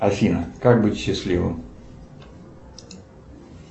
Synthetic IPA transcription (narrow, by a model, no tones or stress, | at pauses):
ɐfʲinəkak̚bɨtʲɕːɪslʲivɨ̰m